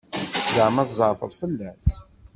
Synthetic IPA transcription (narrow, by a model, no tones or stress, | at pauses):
jəʕmæðzˤəɾfə̰ðˤfəlːæs